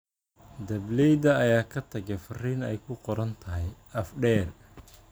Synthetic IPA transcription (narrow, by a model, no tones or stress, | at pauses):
d̪ɐblɛjd̪ɐːjaːkʰɐt̪ʰɐɡɛfɐriːnɛjkʰʊqɔɾɐnt̪ʰɐɦɛj | ɐfɖɛːl